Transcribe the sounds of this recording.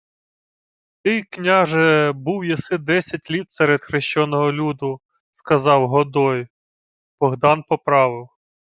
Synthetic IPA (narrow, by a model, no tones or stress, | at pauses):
t̪ɪjknʲɑʒɛbuwjɐsɪd̪ɛsʲɐtʲlʲit̪sɛɾed̪xɾɪʃt͡ʃɔnɔɦɔlʲud̪ʊ | skɐzɑwɦɔd̪ɔj | b̥ɔɦd̪ɑnpɔpɾɑʋɪw